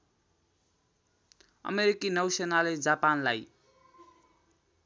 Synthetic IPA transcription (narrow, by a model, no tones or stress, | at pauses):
ʌ̰meɾikinʌwsenaled͡zapanlaj